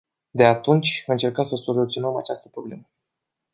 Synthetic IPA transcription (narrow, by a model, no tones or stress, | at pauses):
d̪e̞at̪unt͡ʃʲɨnt͡ʃe̞rkəmsəso̞lut̪sio̞nəmat͡ʃast̪əpɾo̞ble̞̰mə